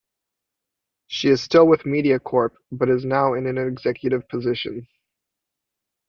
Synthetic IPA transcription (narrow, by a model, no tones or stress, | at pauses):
ʃiɨz̥stɪlˠwəðmiɾiɨkʰɔɹp̚b̥ʌɾɨznaʊɨ̃nɨ̃nɨɡz̥ɛkʰjɨɾɨv̥pʰɨzɪʃɨ̰̃n